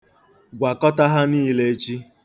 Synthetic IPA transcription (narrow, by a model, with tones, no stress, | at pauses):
ɡʷa˨kɔ˦ta˦ɦa˦niː˦le˦e˦t͡ʃi˦